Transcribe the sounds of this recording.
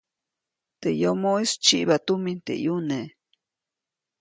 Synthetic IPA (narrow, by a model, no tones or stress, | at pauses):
t̪ejomoist͡ʃiʔbat̪umint̪ḛʔjune